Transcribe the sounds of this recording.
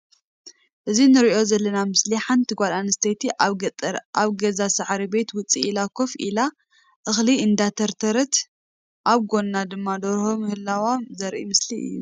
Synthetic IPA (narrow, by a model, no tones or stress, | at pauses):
ʔɨzinɨɾiʔo̞zɐlːɐnamɨsliħant̪ʰɨɡʷalanɨst̪ʰet̪ʰi | aβɡɐzasɨʕɾibe̞t̪wʊt͡sʼiilakʰo̞fila | ʔɨxliɨnd̪at̪ʰɐɾt̪ʰɐɾɐt̪ | ʔaβɡo̞nːad̪ɨmːad̪oɾhomhɨlːawazɐɾʔimɨsliɨ̰jːṵ